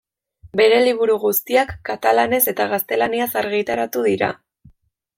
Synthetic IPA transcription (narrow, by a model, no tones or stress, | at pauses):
be̞ɾe̞liβuɾuɣust̪iakːat̪alane̞se̞t̪aɣ̞ast̪e̞laniasaɾɣit̪aɾat̪uðiɾa̰